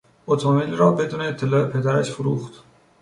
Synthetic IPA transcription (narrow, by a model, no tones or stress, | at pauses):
ot̪ʰobilɾɒːbe̞d̪uːneːt̪ʰːe̞lɒːe̞pʰe̞d̪æɾæʃfoɾuːxt̪